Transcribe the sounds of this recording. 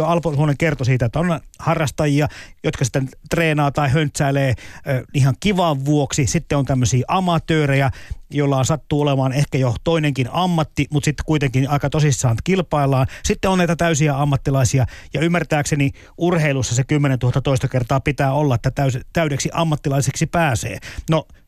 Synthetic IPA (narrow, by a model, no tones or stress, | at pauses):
oɑlposuhoneŋkert̪osiːt̪æjot̪ːæonhɑrːɑst̪ɑjiɑjot̪kɑsi̥t̪ːæntt̪reːnɑːt̪ɑihønt̪sæːleːnihɑŋkiʋɑʋʋuoksisit̪ːeont̪æmːøsiːʔɑmɑt̪øːrejæjolːɑːnsɑt̪ːuːolemɑːnehkæjot̪oineŋkinɑmːɑt̪ːimut̪sit̪ːe̥kuit̪eŋkinɑikɑt̪osisːɑːnt̪kilpɑilːɑːnsit̪ːeonnæit̪æt̪æysiæɑmːɑt̪ːilɑisiɑjɑymːært̪æːkseni | urheilusːɑsekymːenent̪uhɑt̪ːɑt̪oist̪ɑkert̪ɑːpit̪æːolːɑet̪ːæt̪æyst̪æyɾeksiʔɑmːɑt̪ːilɑiseksipæːsḛːno